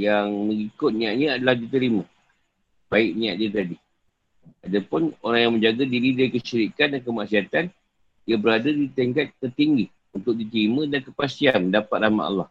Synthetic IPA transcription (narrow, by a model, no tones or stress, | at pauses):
jaŋməŋikʊt̪̚niaʔɲə̃adalahdit̪əɾimə̃ | b̥aɪʔ̚niaʔdiat̪adi | adapʊnoɾaŋjaŋməɲd͡ʒaɡadiɾidaɾikəʃiɾikat̪̚dankəmaksiat̪an | diabəɾadadit̪əŋkat̪̚kərt̪iŋɡi | unt̪ʊk̚dit̪əɾimə̃dankəpasianmdapat̪̚ɾama̰ʔa̰lːah